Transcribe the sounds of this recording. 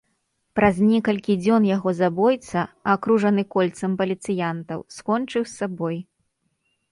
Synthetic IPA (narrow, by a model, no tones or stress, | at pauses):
pɾɐznʲɛkɐlʲkʲid͡zʲɔnjaɣɔzabɔjt̪sɐakɾuʐɐnɨkɔlʲt̪sɐmpɐlʲit̪sɨjant̪ɐwskɔnt͡ʂɨwsːabɔj